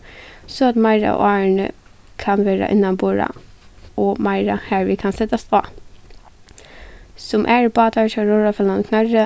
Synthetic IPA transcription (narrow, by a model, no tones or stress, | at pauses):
sɔɑt̪mɑɪɾɑ̰ɔ̰ɑːɳə̰ | kʰɑnʋeːɾɑ̰ʔɪnːɑnboːɹɑ̰ | ɔmɑɪɾɑhæːɹʋɪkʰɑnsɛt̪ɑst̪ʰɑː | sɔmʔæːɹbɑːt̪ɑʃɑɾoːɹɑfɛlɑnkʰnɑɹə